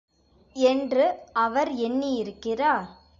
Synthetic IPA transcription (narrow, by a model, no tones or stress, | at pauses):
ɛndrɯɐʋɐɾɛnːijɪɾɯkːɪraːɾ